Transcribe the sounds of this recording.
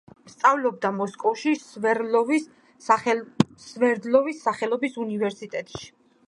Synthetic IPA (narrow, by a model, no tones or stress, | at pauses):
st̪sʼavlɔb̚d̪amɔskʼɔfʃisvɛɔv | svɛɾd̪lɔvisːaχɛlˠɔbisunivɛɾsit̪ʼɛt̪ʼʃi̥